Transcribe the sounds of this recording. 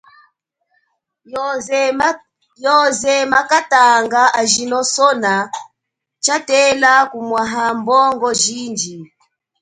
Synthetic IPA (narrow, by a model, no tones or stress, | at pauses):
jɔzɛmakataŋɡaʔaʒinɔsɔna | t͡ʃatɛlakumwaɦambɔŋɡɔʒind͡ʒi